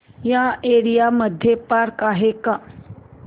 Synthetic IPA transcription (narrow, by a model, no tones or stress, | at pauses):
jaeɽijaməd̪ʱjepaɾkaɦeka